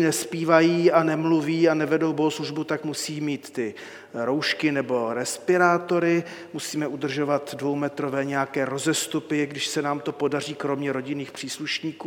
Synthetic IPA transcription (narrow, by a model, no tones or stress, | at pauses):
nɛspiːvajiːanɛmluviːanɛvɛdowboɦosluʒbut̪akmusiːmiːt̪ːɪ | ɾowʃkɪnɛbo̞ɾɛspɪɾaːt̪o̞ɾɪ | musiːmɛʔud̪r̩ʒo̞vat̪dvo̞wmɛt̪ɾovɛːɲɛjakɛːɾo̞zɛst̪upɪɡdɪʃsɛnaːmt̪o̞po̞dar̝iːkɾo̞mɲɛɾo̞ɟɪniːxpr̝̥iːsluʃɲiːkuː